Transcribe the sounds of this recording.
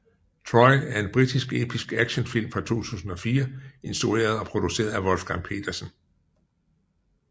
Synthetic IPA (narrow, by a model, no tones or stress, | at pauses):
t͡sʰʁɒɪæɐe̝nb̥ʁid̥isɡ̥e̝̰ːb̥ʰisɡ̥æɡ̥ɕənfil̰mfʁɑ̈t͡sʰo̝̰ːt͡sʰṵːsn̩ɒ̽fiːɐe̝nsd̥ʁue̝̰ːɐð̞ˠɒ̽pʰʁo̝d̥use̝̰ːɐð̩ˠæʋɒ̽lfɡ̥ɑ̈ŋpʰe̝̰ːd̥ɐsən̩